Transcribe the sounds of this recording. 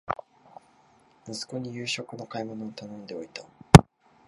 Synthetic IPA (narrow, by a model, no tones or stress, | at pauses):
mɯ̟sɨ̥ko̞ɲ̟ijɯ̟ːɕo̞kɯ̟no̞kaimo̞no̞ɲit̪anõ̞nd̪e̞oit̪ḁ